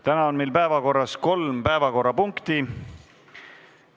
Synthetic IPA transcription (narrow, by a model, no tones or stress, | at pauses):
t̪ænɑonmejlpæevɑko̞rːɑsko̞lmpæevɑko̞rːɑpuŋkt̪i